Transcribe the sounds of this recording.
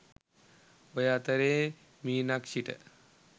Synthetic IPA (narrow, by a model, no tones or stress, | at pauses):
ojat̪əɾeː | miːnakʃiʈə̰